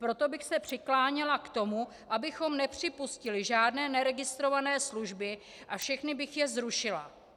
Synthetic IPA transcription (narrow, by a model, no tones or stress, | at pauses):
pɾo̞t̪o̞bɪxsɛpr̥ɪklaːɲɛlakt̪o̞mu | ʔabɪxo̞mnɛpr̝̥ɪpuscɪlɪʒaːdnɛːnɛɾɛɡɪst̪ɾo̞vanɛːsluʒbɪ | ʔafʃɛxnɪbɪxjɛzɾuʃɪla̰